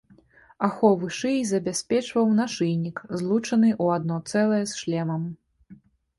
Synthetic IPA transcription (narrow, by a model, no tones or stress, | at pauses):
axɔvɨʂɨjzɐbʲasʲpʲɛt͡ʂvɐwnaʂɨjnʲikzlˠut͡ʂɐnɨʔuad̪nɔt̪sɛlˠɐjɛsʂlʲɛmɐm